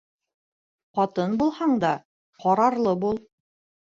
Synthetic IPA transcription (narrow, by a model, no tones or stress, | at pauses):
qɑt̪ɤnbulˠhɑɴd̪ɑ | qɑɾɑɾlˠɤbulˠ